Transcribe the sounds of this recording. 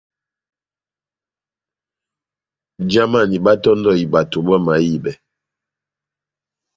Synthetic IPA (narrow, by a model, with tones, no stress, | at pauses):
d͡ʒa˦ma˦˨ni˨ba˦tɔ˦ndɔ˦˨i˨ba˨to˨bə˦ma˨˦ji˦˨bɛ˨